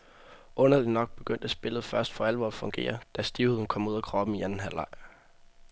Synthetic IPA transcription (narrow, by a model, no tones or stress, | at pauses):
ʔɔ̽nɐli̥nɒ̽ɡ̥̚b̥e̝ɡ̥øn̰d̥æsb̥e̝lð̞̩ˠfɶɐsd̥fɒ̽ælʋɒːfɔ̽ŋɡ̥e̝̰ːɐd̥æsd̥iʊhe̝ðˠn̩kʰɒ̽m̰uð̞̰ˠækʰʁɒ̽b̥m̩iænn̩ɦælɑ̈ɪ̰